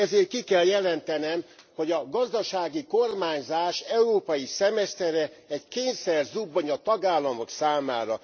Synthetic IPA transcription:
ɛzeːrt̪kikɛljɛlɛnt̪ɛnɛmho̞ɟɒɡɒzd̪ɒʃaːɡiko̞rmaːɲzaːʃɛuɾoːpɒjisɛmɛst̪ɛɾɛɛɟkeːɲsɛrzubːoɲɒt̪ɒɡaːlːɒmo̞ksaːmaːɾɒ

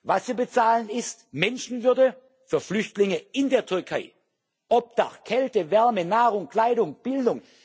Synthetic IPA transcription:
vasviːɐbət͡saːlənɪstmɛnʃn̩vʏɐdə | fyːɐflʏçtlɪŋəɪndeːɐtʰyɐkʰaɪ | ʔɔp̚d̥aχkʰːɛltəvɛɐmənaːʁʊŋkl̥aɪɾʊŋb̥ɪldʊŋ

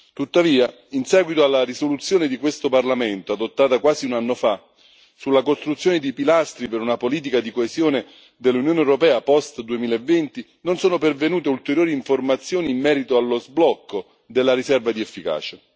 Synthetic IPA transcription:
t̪ut̪ːaviːa | insɛːɡwit̪oalːarisolut̪sːjoːned̪ikwest̪oparlamɛnt̪oad̪ot̪ːaːt̪akwaːziunanːofa | sulːakost̪ɾut̪sːjoːned̪ipilast̪ɾipeɾunapoliːt̪ikad̪ikoezjoːne | d̪elːunjoːneɛwɾopɛːapɔst̪d̪uemiːlaevːɛnt̪i | nonsoːnopervenuːt̪eult̪eɾjoːɾiːɱformat̪sːjoːniːmːɛːɾit̪oalːozblɔkːo | d̪elːaɾisɛrvad̪iɛfːika̰ːt͡ʃe

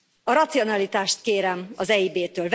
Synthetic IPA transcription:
ɒɾɒt̪sio̞nɒlit̪aːʃt̪̚keːɾɛmɒzɛibeːt̪øːlv

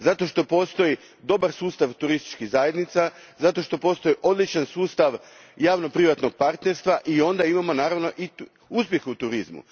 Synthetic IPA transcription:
zat̪o̞ʃt̪o̞po̞ːst̪o̞ji | d̪o̞baɾsuːst̪aʋt̪uɾist̪i̥t͡ʃkiɣzajed̪nit̪sa | zat̪o̞ʃt̪o̞po̞ːst̪o̞jiʔo̞d̪lˠit͡ʃansuːst̪aʋ | jaːʋno̞pɾiʋat̪no̞ɡ̚paɾt̪ne̞ɾst̪ʋaʔio̞nd̪aimamo̞naːɾaʋno̞ʔi | uspje̞xut̪uɾizmṵ

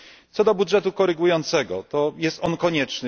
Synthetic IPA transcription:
t̪sɔd̪ɔbudʐɛt̪ukɔɾɘɡujɔnt̪sɛɡɔt̪ɔjɛst̪ɔnkɔɲɛt͡ʂnɘ

